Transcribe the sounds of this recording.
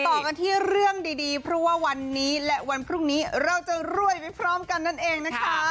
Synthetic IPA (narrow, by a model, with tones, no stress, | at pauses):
t̪ɔː˨˩ka˧nt̪ʰiː˥˩ɾɯ˥˩əŋdiː˧diː˧pʰɾɔ˦˥waː˥˩wa˧nːiː˦˥lɛ˦˥ʔwa˧npʰɾuː˥˩ŋniː˦˥ɾa˧wt͡ɕa˨˩ɾu˥˩əjpa˨˩jpʰɾɔː˦˥mka˧nːa˥˩nʔeː˧ŋna˦˥kʰa˦˥